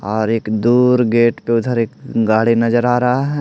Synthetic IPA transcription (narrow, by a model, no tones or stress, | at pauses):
ɔːɾeːkd̪uːɾɡeːʈpeʊd̪ʱəɾeːk̚ɡaːɽinɐzəɾaːɾɐɦaɦɛː